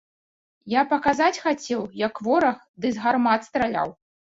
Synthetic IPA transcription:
japɐkazat͡sʲxat͡sʲɛwjɐkvɔɾɐx | d̪ɨzɣarmat̪st̪ɾalʲa̰w

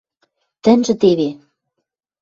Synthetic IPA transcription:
t̪ɘ̆nʒɘ̆t̪eβe

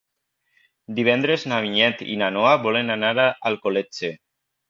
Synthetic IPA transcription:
d̪iβ̞ɛnd̪ɾeznaβiɲɛt̪ḭnanoaβɔlenanaɾaalˠkolet͡ʃe

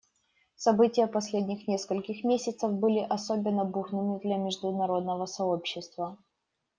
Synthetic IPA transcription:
sɐbɨtʲɪjəpɐsʲlʲedʲnʲɪxnʲeskəlʲkʲɪxmʲesʲɪt̪səvbɨlʲɪʔɐso̞bʲɪnːəbuxnɨmɪd̪lʲɐmʲɪʐd̪ʊnɐɾo̞d̪̚nəvəsɐo̞pɕːɪst̪və

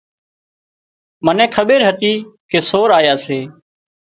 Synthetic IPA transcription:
mənɛ̃ːkʰəɓeːɾɦət̪iːkeːsoːɾaːjaːseː

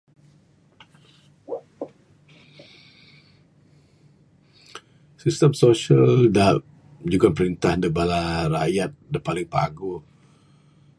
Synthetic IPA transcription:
sist̪əmsoʃalda | d͡ʒuɡanpəɾint̪ahndəbalaɾa̰jat̪̚dapalɪŋpa̰ɡu

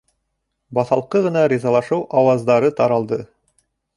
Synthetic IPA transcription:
bɑθɑlˠqɤʁɤ̆nɑɾʲizɑlˠɑʃɤwʔɑwɑzd̪ɑɾɤt̪ɑɾɑlˠd̪ɤ

